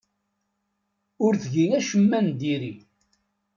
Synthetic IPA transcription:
ʊɾθʝiŋæʃəmːænd̪iɾi

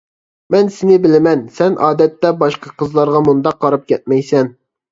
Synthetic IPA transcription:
mɛnsɪnɪbɪlɪmɛnsɛnʔɑːd̪ɛt̪ːɛbɑʃqɑqʰəzlˠɑɾʁɑmund̪ɑqːɑɾɑp̚kʲʰɛt̪̚mɛjsɛn

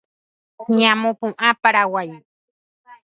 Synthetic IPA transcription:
ɲamopuŋʔapaɾawaj

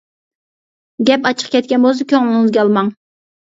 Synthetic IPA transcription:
ɡʲɛpɑt͡ʃʰə̥qkʲɛt̪̚kʲɛnbolˠs̬ukʲʰøŋlɪɪŋɪzɡʲɛɑlˠmɑŋ

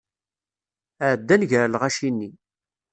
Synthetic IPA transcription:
əʕəd̪ːænʝəɾlʁæʃinːi

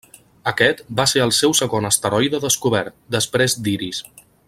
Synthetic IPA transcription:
əkɛt̪baseɾəlˠsɛwsəɣonəst̪əɾɔjðəðəskuβ̞ɛɾt̪̚d̪əspɾezd̪iɾis

